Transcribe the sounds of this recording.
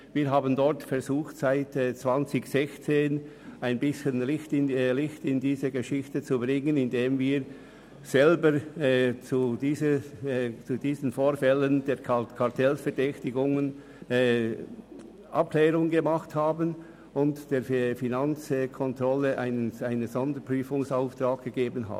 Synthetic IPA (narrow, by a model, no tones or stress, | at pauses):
viːɾɦaːbəndɔɹtfɛɾzuːxtsaɪtɛt͡sv̥ant͡sɪçz̥ɛçt͡seːn | aɪnbɪsçənlɪçtɪnlɪçtɪndiːzəɡəʃɪçtət͡subʁɪŋənɪndeːmviːɾ | z̥ɛlbəɾɛt͡sudiːzə | t͡sud̥iːzən̩foːɾfɛləndeːkʰɑʁtʰɛlsfɛɾdɛçtɪɡʊŋən | ɛː | ʔa̰p̚klɛːɾʊŋɡəmɑχthaːbən | ʊntd̥eːfinant͡sɛkʰɔntʁɔləʔaɪnaɪnənzɔndəɾpʁ̥yːfʊŋsaʊft̪raːk̚ɡ̥əɡeːbənɦa̰ːbn